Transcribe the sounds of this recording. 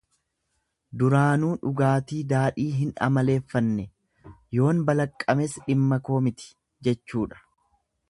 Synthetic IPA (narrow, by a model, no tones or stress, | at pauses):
d̪ʊɾaːnuːᶑʊɡaːt̪iːd̪aːᶑiːɦɪnɐ̰mɐle̞ːfːɐnːɛ | jo̞ːnbɐlɐkʼːɐmɛsᶑɪmːɐko̞ːmɪt̪ɪ̥ | d͡ʒɛt͡ʃːuːᶑɐ̥